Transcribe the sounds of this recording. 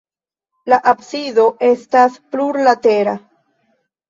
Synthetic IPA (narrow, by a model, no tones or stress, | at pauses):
laʔapsido̞ʔe̞staspluɾlat̪eɾa